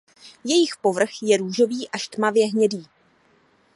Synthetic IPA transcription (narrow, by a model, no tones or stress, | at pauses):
jɛjɪxpo̞vr̩xjɛɾuːʒo̞viːʔaʃt̪mavjɛɦɲɛdiː